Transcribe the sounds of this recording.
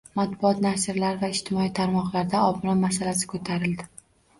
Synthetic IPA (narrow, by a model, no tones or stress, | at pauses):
mat̪̚bʊɒt̪naʃɪɾlaɾvaɪʃt̪ʰɪmɒit̪ʰaɾmɒqlˠaɾd̪aɒbɾɒmasalasɪ̥kʰot̪ʰaɾɪld̪ɪ